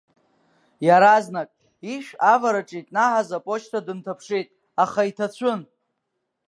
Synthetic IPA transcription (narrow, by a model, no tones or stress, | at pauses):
jaɾaznakʼ | iʃavaɾaʈ͡ʂʼitʼnaħazapʼot͡ʃʰtʰadɨntʰapʰʂejtʼ | aχaitʰat͡ɕʷʰʊn